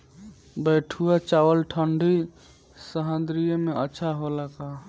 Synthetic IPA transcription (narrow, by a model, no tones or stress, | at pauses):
bɛʈʰuat͡ʃawəlʈʰəɳɖʱi | səɦə̃nd̪ɾijəmẽətːʃʰaɦolaka